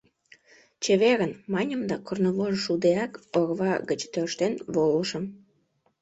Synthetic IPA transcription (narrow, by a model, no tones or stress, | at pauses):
t͡ɕəβeɣənmɑnʲə̆md̪ɑkornoβoʒʃud̪eɑkoɣβɑɣət͡ɕt̪øʃt̪enβoləʃə̆m